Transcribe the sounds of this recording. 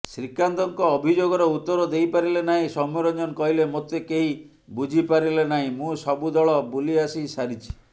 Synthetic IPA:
sɾikand̪ɔŋkɔːbʱid͡ʒoɡɔɾeut̪ːɔɾɔd̪ejpaɾilenaɦĩsɔmoɾɔd͡ʒɔnkɔɦilemot̪ekeɦi | bud͡ʒʱipaɾilenaɦĩmũsɔbud̪ɔɭɔbuliasisaɾit͡ʃʰi̥

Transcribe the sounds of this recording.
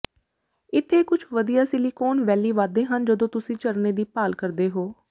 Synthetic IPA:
ɪt̪ʰːeːkʊt͡ʃʰʋəd̪ijaːsɪliːkoːnʋɛːliːʋaːd̪eːɦənd͡ʒəd̪õːt̪ʊsĩːt͡ʃəɾneːd̪iːpaːlkəɾd̪eːɦoː

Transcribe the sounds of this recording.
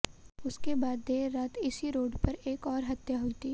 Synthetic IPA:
ʊskebaːd̪ːeːɾaːt̪ɪsiɾoːɖpɐɾeːkɔːɾɦɐt̪jaɦʊit̪iː

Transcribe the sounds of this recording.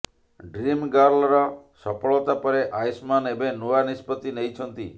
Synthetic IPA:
ɖɾimɡaɾlɔɾɔsɔpɔɭɔt̪apɔɾeʔajsmanebenuanispɔt̪inejt͡ʃʰɔnt̪i

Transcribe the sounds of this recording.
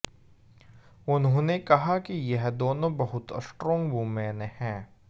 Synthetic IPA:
ʊnɦõːnekɐɦakijɛɦd̪oːnõbɐɦʊt̪sʈɾɔ̃ːŋɡbumɛ̃ːnhɛ̃ː

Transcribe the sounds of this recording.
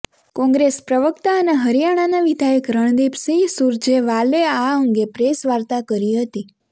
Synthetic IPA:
kɔ̃ŋɡɾespɾəʋəkt̪aəneɦəɾijaɽ̃anaʋid̪ʱajəkɾəɳ̃d̪ibsĩsuɾd͡ʒeʋaleaəŋɡepɾesʋaɾt̪akəɾiɦət̪i

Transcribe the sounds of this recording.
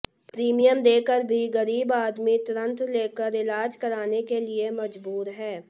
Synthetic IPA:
pɾiːmijəmd̪eːkəɾbʱiɣɐɾiːbaːd̪mit̪ʊɾə̃nt̪leːkəɾɪlaːd͡ʒkɐɾaːnekeliemɐd͡ʒbuːɾɦɛː

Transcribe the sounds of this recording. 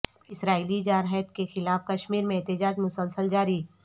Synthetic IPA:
ɪsɾaːiːlid͡ʒaːɾɦət̪kexɪlaːfkɐʃmiːɾmẽɛːt̪ɪd͡ʒaːd͡ʒmʊsəlsəld͡ʒaːɾiː

